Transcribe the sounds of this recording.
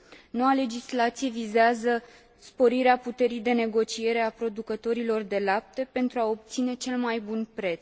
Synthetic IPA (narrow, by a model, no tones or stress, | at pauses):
no̞wale̞d͡ʒislat̪sije̞vizeazə | spo̞ɾiɾeaput̪e̞ɾijd̪e̞ne̞ɡo̞t͡ʃie̞ɾe̞apɾo̞d̪ukət̪o̞ɾilo̞rd̪e̞lap̚t̪epe̞nt̪ɾuao̞p̚t̪sine̞t͡ʃe̞lmajbunpɾe̞t̪s